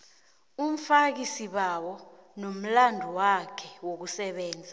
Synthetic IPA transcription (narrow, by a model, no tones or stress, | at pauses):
um̩fak̬isiɓawɔ | nom̩landʱuwakʰɛwok̬usɛɓɛːnd͡zʱa